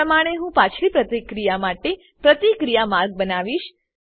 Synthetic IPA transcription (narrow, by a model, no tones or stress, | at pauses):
əmaɽ̃eɦũpãt͡ʃʰlipɾət̪ikɾijamaʈe | pɾət̪ikɾijamaɾɡ̚bənaʋiʃ